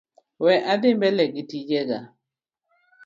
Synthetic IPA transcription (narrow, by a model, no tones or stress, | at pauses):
wɛʔadɪmbɛlɛɡitid͡ʒɛɡa